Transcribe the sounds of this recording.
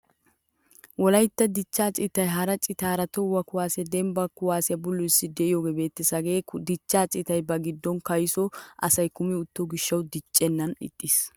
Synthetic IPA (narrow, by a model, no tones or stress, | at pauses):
wɔlɐjt̪ːɐd̪ɪt͡ʃːaːt͡ʃʼɪt̪ɐjɦɐɾɐt͡ʃʼɪt̪aːɾɐt̪ɔwɐkʊwaːsɪjɐd̪ɛmbɐkʊwaːsɪjɐbʊlːʊɪsːɪd̪ɛʔɪjoːɡebeːt̪ːɪsɐɡe̞ːd̪ɪt͡ʃːaːt͡ʃʼɪt̪ɐjbɐɡɪd̪ːɔnkɐjsɔʔɐ̰sɐjkʊmɪʊt̪ːɔɡɪʃːɐwd̪ɪt͡ʃʼːɛnːɐnɪ̰t̪ʼːiːs